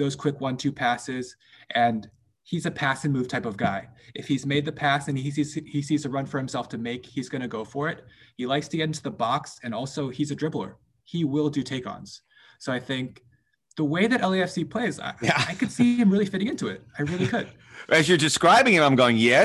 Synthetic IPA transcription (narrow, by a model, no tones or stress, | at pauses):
ðoʊz̥kʰw̥ɪkwʌ̃ntʰʉpʰæsɪz̥ | ʔɨ̃n | hizɨpʰæsɨ̃nmʉv̥tʰaɪpʌvɡaɪʔɨfhizmeɪd̪̚ðɨpʰæsɨ̃niiz̥isizɨɹʌ̃nfə˞hɨ̃msɛlˠftʰɨmeɪkhizɡʌñɨɡoʊfə˞ɪt̚hilaɪkstʰɨɡɛ̃ɾ̃ntʰɨðəbɑksɨ̃nɔlˠsoʊizɨdɹ̥ɪbl̩ˠə̰˞ | iwɪlˠdɨtʰeɪkn̩z̥ | soʊaɪθɪ̃ŋk̚ | ðəweɪðɨɾʔɛlˠiɛfsipʰl̥eɪz̰aɪkɨd̥siɨ̃mɹɪlˠifɪɾɪ̃ŋɪ̃ntʉɪ̰t̚aɪɹɪlˠikʰɨd̥ | ɨzjə˞dɨskɹaɪbɪ̃ŋɨ̃ɾãɪ̃mɡoʊɪ̃ŋjɛ